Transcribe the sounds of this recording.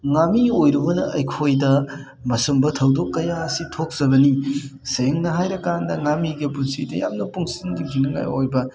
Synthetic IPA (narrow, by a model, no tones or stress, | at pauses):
ŋamiojɾɐbɐnɐɐjkʰojdɐ | mɐsumbɐtʰɐwdokːɐjaɐsitʰok̚z̥ɐbɐniseŋnɐɦajɾɐkandɐŋamiɡipunsḭdɐja̰mnɐpuŋsindiɡinɐŋa̰jo̰jbɐ